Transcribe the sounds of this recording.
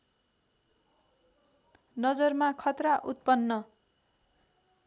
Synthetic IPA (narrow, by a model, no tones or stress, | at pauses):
nʌd͡zʌrmakʰʌt̪raʔut̪̚pʌnːʌ